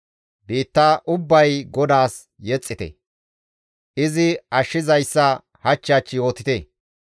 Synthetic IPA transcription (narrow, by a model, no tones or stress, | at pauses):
biːt̪ːaːʔʊbːɐjɡɔd̪aːs | jɛt͡sʼːɪt̪ɛ̰ | ʔɪzɪɐʃːɪzɐjsːɐ | hɐt͡ʃːaːt͡ʃːɪjo̞ːt̪ɪt̪eː